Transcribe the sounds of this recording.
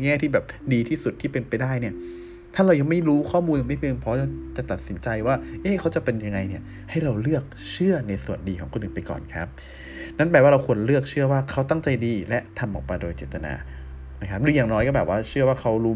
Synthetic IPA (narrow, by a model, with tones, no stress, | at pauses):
ŋɛː˥˩t̪ʰiː˥˩bɛː˨˩p̚diː˧t̪ʰiː˥˩su˨˩t̪ʰːiː˥˩pe˧npa˧jdaː˥˩jni˥˩ɐ | t̪ʰaː˥˩ɾa˧wja˧ŋma˥˩jɾuː˦˥kʰɔː˥˩muː˧nja˨˧ŋma˥˩jpʰe˧ŋpʰɔː˦˥ja˧˩t͡ɕa˨˩t̪a˨˩t̪̚si˩˦nt͡ɕa˧jwaː˥˩ʔeː˦˥˩kʰa˦˥wt͡ɕa˨˩pe˧nja˧ŋːa˧jni˥˩ɐ | ha˥˩jɾa˧wlɯ˥˩ək̚t͡ɕʰɯ˥˩ɐna˧jsu˨˩əndiː˧kʰɔː˩˦kʰo˧nʔɯː˨˩pa˧jkɔ̰ː˨˩nkʰɾa˦˥p̚ | na˦˥npɛː˨˩waː˥˩ɾa˧wkʰu˧ənlɯ˥˩ək̚t͡ɕʰɯ˥˩ɐwaː˥˩kʰa˦˥wt̪a˥˩ŋt͡ɕa˧jdiː˧lɛ˦˥ʔt̪ʰa˧mʔɔː˨˩k̚pa˧jdoː˧jt͡ɕeː˨˩t̪ːa˧na̰ː˧ | na˦˥kʰp̚dɯ˧˦jaː˨˩ŋnɔː˦˥jkɔː˥˩bɛː˨˩p̚waː˥˩t͡ɕʰɯ˥˩waː˥˩kʰa˦˥wɾuː˦˥